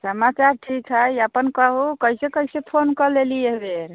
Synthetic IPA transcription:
səmat͡ʃaɾʈʰikɦəjəpənkəɦukəɦisekəɦisepʰonkəlelieɦbeɾ

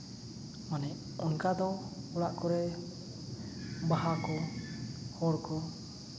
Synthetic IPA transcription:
ɔnɛʔ | ɔŋkad̪ɔɔɽaʔkɔɾɛ | baɦakɔ | hɔɾkɔ

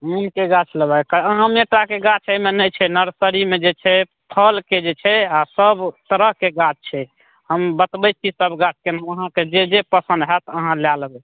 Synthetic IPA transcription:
unkeɡat͡ʃʰləbajkəəɦəmeʈakeɡat͡ʃʰəmenət͡ʃʰɛnəɾsəɾimed͡ʒet͡ʃʰɛ | p̪ʰəlked͡ʒet͡ʃʰɛasəbt̪əɾəɦkeɡat͡ʃt͡ʃʰɛ | həmbət̪bəjt͡ʃʰisəbʱɡat͡ʃʰkenaəɦãked͡ʒed͡ʒepəsə̃nd̪ɦɛt̪əɦãljalbɛ

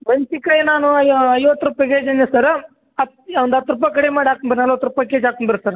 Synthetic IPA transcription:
mɐɲt͡ʃikɐjnaːnuɐjʋɐt̪ːɾupːɐkeːd͡ʒɐnːɐsɐɾ | ɐ | ond̪ɐt̪ːɾup̬ːɐk̬ɐɽemaːɽiaːkumbɐɾnɐlʋɐt̪ːɾupːɐkeːd͡ʒaːkuɳbɐɾsɐɾ

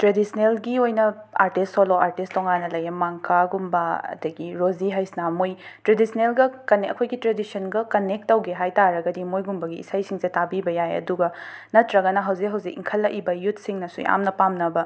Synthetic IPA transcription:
tɾedisnelɡiojnɐa̰ɾtistʰːoloaɾtistoŋanːɐlɐjɐmaŋkʰaɡumbɐɐ̰dɐɡiɾoziɦajsnamojtɾedisʰnelɡɐkɐneɐkʰojɡitɾedisɐnɡɐkɐnek̚tːɐwɡeɦajtaɾɐɡɐdimojɡumbɐɡḭːsajsiŋzetabibɐjajɐ̰duɡɐnɐtɾɐɡɐnɐɦɐwzikɦɐwzikḭŋkʰɐlːɐʔibɐjut̚ʰsiŋnɐsṵa̰mnɐpamnɐbɐ

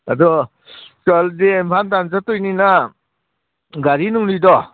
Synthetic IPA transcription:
adɔ | sɔldeempʰantanzatujnina | ɡaɾinuŋlidɔ

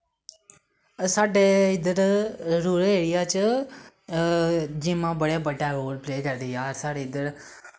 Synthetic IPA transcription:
saːɖeɪd̪əɾɾuːɾeːɽijaːt͡ʃə | d͡ʒĩːmãːbəɽebəʈaɾoːlpleːkaɾd̪ijaːɾsaːɖeɪd̪əɾ

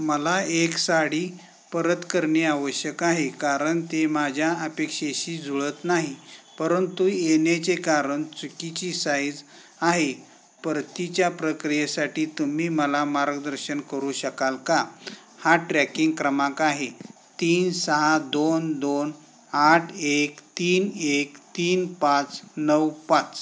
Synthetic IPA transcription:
məlaeksaɽiː | pəɾət̪kəɾɳeaʋəɕjəkaɦekaɾəɳt̪emad͡ʑʱjaəpekɕeɕiːd͡zʱuɭət̪naɦipəɾənt̪uenet͡sekaɾəɳt͡sukit͡ɕiːsajd͡z | aɦe | pəɾt̪it͡ɕjapɾəkɾijesaʈiːt̪um̤iːməlamaɾɡəd̪əɾɕənkəɾuːɕəkalka | haʈɾɛkiŋɡkɾəmãkaɦe | t̪iːnsəɦad̪ond̪on | aʈʰekt̪iːnekt̪iːnpat͡snəwpat͡s

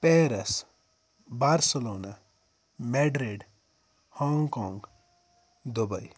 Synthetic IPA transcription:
peɾes | baɾselona | meɖɾeɖ | hɔŋɡkɔŋɡ | d̪oba̰j

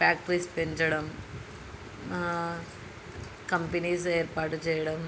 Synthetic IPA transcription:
baːk̚ʈɾiːspeɲd͡ʒɐɽɐm | kɐmpɐniːs̬eːrpaːʈːɨt͡ɕejɐɽɐm

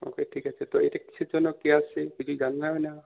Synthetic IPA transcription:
o̰keʈʰikat͡ʃʰɛt̪ɔejtaki̥t͡ʃʰud͡ʒɔnɔkːiasekid͡ʒʰid͡ʒannaena

